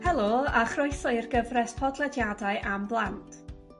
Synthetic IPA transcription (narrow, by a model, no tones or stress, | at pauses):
hɛlˠoːaχrʊɨθɔɨrɡəvrɛspʰɔdlˠɛdjadaɨʔamblˠantʰ